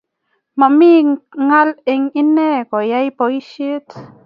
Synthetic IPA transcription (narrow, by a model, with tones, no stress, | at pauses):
ma˨mi˦ŋa˦le˧ŋi˦ne˦ko˨ja˦jpo˨i˦ʃi˦t